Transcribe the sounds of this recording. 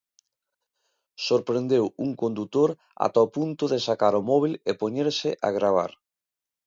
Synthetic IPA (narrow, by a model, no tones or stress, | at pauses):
soɾpɾend̪ewuŋkond̪ut̪oɾ | a̰t̪aopunt̪ʊðesakaɾomɔβ̞ilepoɲeɾsɪʔa̰ɣɾaβ̞a̰ɾ